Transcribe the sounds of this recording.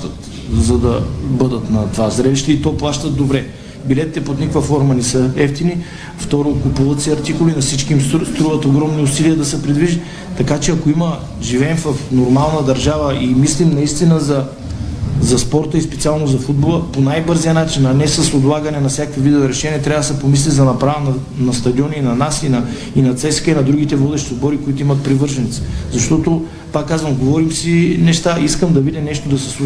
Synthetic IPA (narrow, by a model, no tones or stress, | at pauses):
t̪ət̪ | zɐd̪ɐbɤd̪ət̪nɐt̪vazɾɛliʃt̪ɛit̪ɔplˠaʃt̪əd̪obɾɛ | bilɛt̪it̪ɛpot̪nikvɐfɔɾmənɛsəɛft̪ini | ft̪ɔɾokʊpuvət̪sɛɐɾt̪ikʊlinɐfsit͡ʃkiimsst̪ɾuvət̪oɡɾɔmniʊsiliəd̪ɐsɛpɾɛd̪viʒi | t̪ɐkat͡ʃɛɐkoimə | ʒivɛnfɐfnoɾmalˠnəd̪ɐɾʒavəʔimislimnɐist̪inəzɐ | zɐspɔɾt̪əispɛt̪sialˠnozɐfud̪̚bolˠəponajbɤɾzijənat͡ʃinɐnɛsɐsob̪lˠaɡɐnɛnɐfsjakkvivid̪ovɛɾɛʃɛnʲiɛt̪ɾʲavɐəd̪ɐsɛpomis̬lizɐnɐpɾavənɐ | nɐst̪ɐd̪iɔninɐnasinɐ | inɐt̪sɛskəinɐd̪ɾuɡ̟it̪ɛvɔd̪ɛʃt̪izbɔɾikoit̪oimɐt̪̚pɾivɤɾʒɐnit̪si̥zɐʃt̪ɔt̪o | pakːazvəmɡovɔɾimsinɛʃt̪aiskəmd̪ɐvid̪ɛnɛʃt̪od̪ɐsɛ̥sˠu